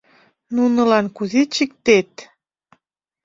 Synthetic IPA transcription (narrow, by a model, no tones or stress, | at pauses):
nunəlɑnkuzet͡ɕik̚t̪et̪